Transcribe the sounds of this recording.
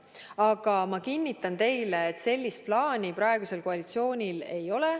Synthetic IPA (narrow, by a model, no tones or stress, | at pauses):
ɑɡ̥ɑmɑkinʲːit̪ːˑɑnt̪e̞jleːt̪se̞lʲːist̪̚plɑːnʲipɾɑeɡ̥use̞lkoɑlit̪sio̞ːnʲile̞jo̞lɛ